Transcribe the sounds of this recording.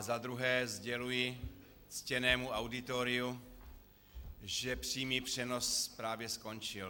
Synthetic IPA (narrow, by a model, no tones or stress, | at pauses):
zad̪ɾuɦɛːzɟɛlujɪ | t͡scɛnɛːmuawdɪt̪oɾɪu | ʒɛpr̥iːmiːpr̝̥ɛnospɾaːvjɛsko̞nt͡ʃɪl